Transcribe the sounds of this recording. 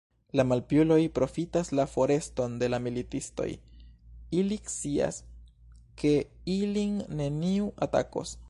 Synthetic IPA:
lamalpjulo̞jpɾo̞fitaslafo̞ɾe̞sto̞nde̞lamilitisto̞̰j | ilikt͡sia̰s | kʰe̞ilinːe̞niuata̰ko̰s

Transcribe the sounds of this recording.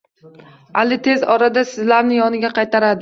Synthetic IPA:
alɪt̪ʰe̞zɒɾad̪asɪzlaɾnɪjɒnɪɡʲaqʰɑjt̪ʰaɾad̪ɪ

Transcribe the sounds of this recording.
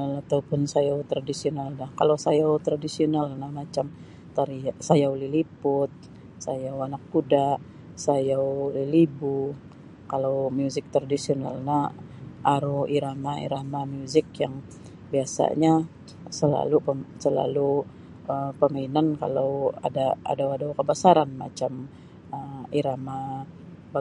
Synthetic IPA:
lat̪aupʊnsajawt̪ɾadisionaldahkalasajawt̪ɾadisionalnahmat͡ʃam | t̪aɾiasajawlilipʊt̪̚ | sajawanak̚kudaʔ | sajawlilibu | kalawmjuzɪk̚t̪ɾadisiona̰lna | ʔaɾuiɾamaḭɾamamjuzɪkjaŋ | biasa̰ɲa | səla̰lupəsəla̰lu | əpəmainanka̰lawa̰daa̰dawadawkəbasaɾanma̰t͡ʃam | əiɾama | ba

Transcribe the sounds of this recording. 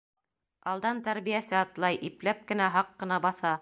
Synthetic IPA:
ɑlˠd̪ɑnt̪æɾβijæsɘɑt̪lˠɑjʔiplæp̚kɘ̆næɦɑqːɤ̆nɑbɑθɑ

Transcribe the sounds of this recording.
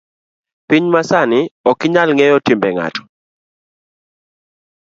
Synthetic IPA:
piɲmasanɪɔkɪɲalŋɛjɔtimbɛŋa̰tɔ̥

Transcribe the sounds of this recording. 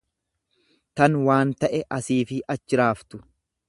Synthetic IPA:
t̪ɐnwaːnt̪ɐʔɛʔɐsiːfɪʔɐt͡ʃːɪɾaːft̪ʊ

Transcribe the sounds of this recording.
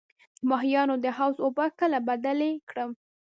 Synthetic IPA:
d̪̥əmɑɦijɑnod̪əhawzobəkəlabad̪alekɽəm

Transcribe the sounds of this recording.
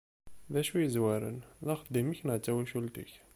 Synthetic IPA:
ðæʃujəzwæɾə̰nðɑqəd̪ːimiçnʕt̪ːæwæʃult̪ə̰ç

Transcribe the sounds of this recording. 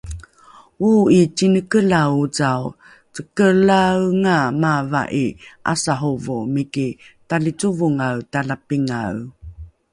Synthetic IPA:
uit͡sinəkəlaut͡saw | t͡səkəlawŋamava̰ʔiʔa̰saɦuvumikitalit͡suvuŋawtalapiŋa̰w

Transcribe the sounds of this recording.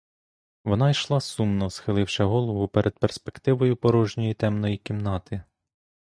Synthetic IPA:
ʋɔnɑjʃlˠɑsumnɔsxɪlˠɪwʃɛɦɔlˠɔʋʊpeɾʔed̪̚perspekt̪ɪʋɔjʊpɔɾɔʒnʲɔjit̪ɛmnɔjikʲimnɑt̪ɪ

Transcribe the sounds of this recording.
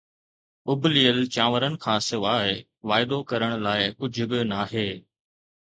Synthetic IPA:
ʊbʱliːəlt͡ɕãːʋəɾənɪ̆kʰãːsɪʋaːɪ | ʋaːɪd̪okɐɾəɽ̃laːɪkʊd͡ʑʱʊbɪnaːɦeː

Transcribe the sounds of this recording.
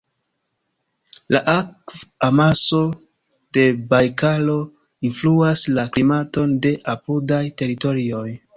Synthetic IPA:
laʔakvamaso̞ | d̥e̞bajkalo̞ | influaslaklimato̞nde̞ʔapudajte̞ɾito̞ɾio̞j

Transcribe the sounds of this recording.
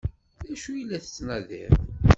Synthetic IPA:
æʃujilːæθə̥t͡sːnæðḭɾ

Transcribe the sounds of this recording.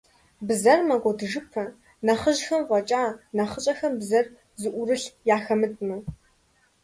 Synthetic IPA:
bzɐrmɐɡʷɔdɨʒɨpʰɐ | nɐχəʒxɐmqʷɔt͡ʃʼaːnɐχət͡ʃʼɐxɐmbzɐr | zɨʔʷʊrɨɬjaːxɐmɨtʼmɐ

